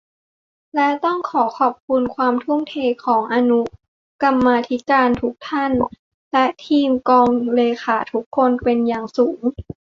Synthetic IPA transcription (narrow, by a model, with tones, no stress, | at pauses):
lɛ˦˥t̪ɔ˥˩ŋkʰɔː˩˦kʰɔː˨˩p̚kʰu˧nkʰwaː˧mt̪ʰu˥˨mt̪ʰeː˧kʰɔː˩˦ŋʔaː˧nu˦˥ | ka˧mːaː˧t̪ʰi˦˥kaː˧nt̪ʰu˦˥k̚t̪ʰa˥˩n | lɛ˦˥ʔt̪ʰiː˧mkɔː˧ŋleː˧xaː˩˦t̪ʰu˦˥kʰːo˧npe˧njaː˨˩ŋsuː˩˦ŋ